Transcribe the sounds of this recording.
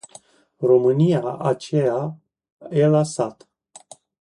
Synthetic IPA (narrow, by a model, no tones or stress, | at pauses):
romɨnijaʔat͡ʃeja | elasat̪